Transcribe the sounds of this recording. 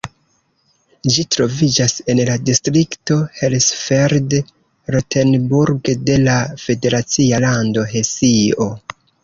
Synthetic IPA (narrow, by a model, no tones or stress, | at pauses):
d͡ʒitɾo̞vid͡ʒase̞nladistɾikto̞helsfeɾd | ɾotʰenbuɾɡde̞lafe̞de̞ɾat͡sialando̞ɦe̞sio̞